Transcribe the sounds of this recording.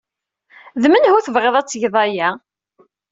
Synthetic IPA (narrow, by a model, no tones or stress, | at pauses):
ðmənhʊθəvʁeðˤæt͡sːʝðˤɑjæ